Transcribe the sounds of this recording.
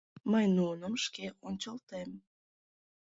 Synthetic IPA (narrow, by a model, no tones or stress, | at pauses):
məjnunəmʃkeʔonʲt͡ɕəlt̪em